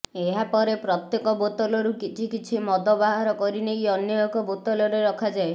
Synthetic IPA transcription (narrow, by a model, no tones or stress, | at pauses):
eɦapɔɾepɾɔt̪jekɔbot̪ɔlɔɾukit͡ʃʰikit͡ʃʰimɔd̪ɔbaɦaɾɔkɔɾinejɔnjɔjɔkɔbot̪ɔlɔɾeɾɔkʰad͡ʒae